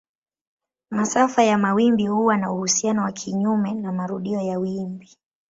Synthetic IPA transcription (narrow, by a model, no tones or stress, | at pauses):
masafajamawimbihuwanauhusianɔwakʰiɲumɛnamaɾuɗiɔjawimbi